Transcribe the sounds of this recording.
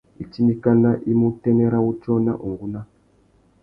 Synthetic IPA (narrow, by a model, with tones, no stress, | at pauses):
i˨t͡ʃi˦ni˦ka˦na˦ʔi˦mu˦tɛ˦nɛ˦ɾa˦u˦t͡ʃɔ˦na̰˦ʔu˨ŋɡu˦na˦